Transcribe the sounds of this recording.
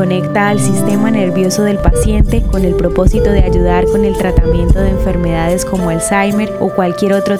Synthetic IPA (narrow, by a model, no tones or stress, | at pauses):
o̞ne̞kt̪aːlsist̪e̞mane̞ɾβjo̞so̞ðe̞lpasje̞nt̪e̞ko̞ne̞lpɾo̞po̞sit̪o̞ðead͡ʒuð̞aɾko̞ne̞lt̪ɾat̪amje̞nt̪o̞ðe̞ːɱfe̞ɾme̞ð̞að̞e̞sko̞mo̞alsajme̞ɾo̞kwalkje̞ɾo̞t̪ɾo